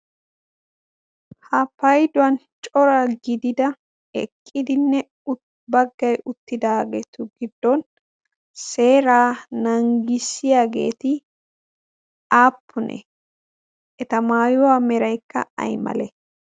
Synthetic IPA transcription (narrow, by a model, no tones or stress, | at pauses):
hɐpɐjd̪ʊwɐn | t͡ʃʼɔɾaɡɪd̪ɪd̪ɐ | ɛ̰kʼːɪd̪ɪnːɛ | ʊ | bɐɡːɐjʔʊt̪ːɪd̪aːɡeːt̪ʊɡɪd̪ːɔn | se̞ːɾaːnɐŋɡɪsːɪjaːɡe̞̰ːt̪ɪ | aːpʰːʊnʔɛ̰ | ʔɛt̪ɐmaːjʊwamɛɾɐjkːɐ̰ɐ̰jmɐ̰lɛ